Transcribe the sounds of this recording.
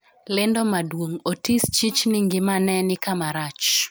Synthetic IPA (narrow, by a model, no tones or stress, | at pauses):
lɪndɔmadwoŋotist͡ʃit͡ʃnɪŋɡɪmanɛnɪkamaɾat͡ʃ